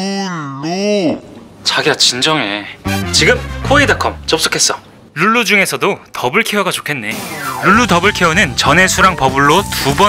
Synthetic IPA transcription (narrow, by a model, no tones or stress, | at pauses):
ɭu | t͡ɕaɡiat͡ɕind͡ʑʌŋe̞t͡ɕiɡɯmkʰoidakʰʌmt͡ɕʌps͈o̥kʰe̞s͈ʌ | luɭːud͡ʑuŋe̞sʰʌdotʌbɯɭkʰeʌɡat͡ɕokʰe̞nːe̞luɭːutʌbɯɭkʰeʌnɯnt͡ɕʌne̞sʰuɾaŋpʌbuɭːotubʌ